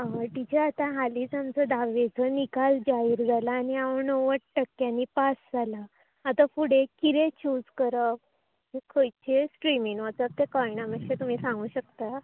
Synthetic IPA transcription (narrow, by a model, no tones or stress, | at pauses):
ɦaʈit͡ɕʰeat̪aɦaliːd͡zamt͡səd̪aʋed͡zənikald͡ʑaiɾd͡zalaːniaʋəɳnoʋəʈʈəkːjãnːiːpasd͡zalaː | t̪afuɽekiɾet͡ɕud͡zkəɾəp̚ | ekʰəjt͡ɕʰesʈɾimiŋʋat͡səp̚t̪ekɔɳaməkɕet̪um̤iːsãŋɡuːɕəkt̪a